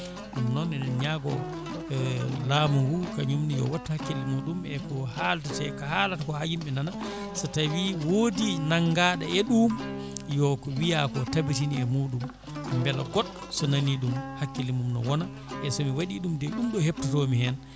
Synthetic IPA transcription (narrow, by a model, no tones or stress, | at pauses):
ɗumnɔnɛnɛnɲaɡɔ | lamuŋɡukaɲumnijɔ̰watːahakːilimuɗumɛkɔhaltatɛkahalatakɔhajimɛnana | sɔtawiwodinaŋɡaɗaɛɗum | jɔkɔwijakɔtabitiniɛmuːɗum | mbɛlaɡɔɗ | sɔnaniɗumhakːilimumnɔ̰wɔna | ʔɛsɔmiwaɗiɗumdɛɗumɗɔhep̚tatɔmihɛn